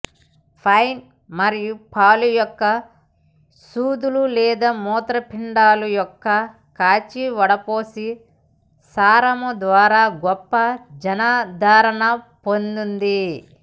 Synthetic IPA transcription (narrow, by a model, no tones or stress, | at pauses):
pʰɐjn | mɐɾijupʰaːlujɔkːɐ | suːd̪ululɛːd̪ɐmɔːt̪ɾɐpiɳɖaːlujɔkːɐ | kaːt͡ʃiʋɐɽɐpoːsi | saːɾɐmud̪ʋaːɾaːɡɔpːɐd͡ʒɐnaːd̪ʱaːɾɐɳɐpo̞nd̪und̪i